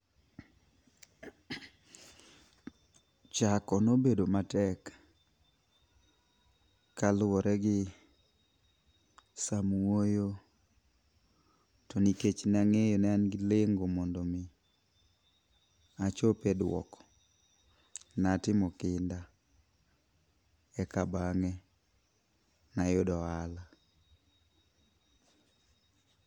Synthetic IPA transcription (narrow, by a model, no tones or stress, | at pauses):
t͡ʃakɔnobedomatɛk | alwɔɾʔɛɡɪ | samuwojo | tɔniket͡ʃnɛaŋejɔnɛanɡɪleŋɡomɔndɔmɪ | at͡ʃopedwɔ̰kɔ̥ | natɪmɔkɪnda | ɛkabaŋɛ | najodɔala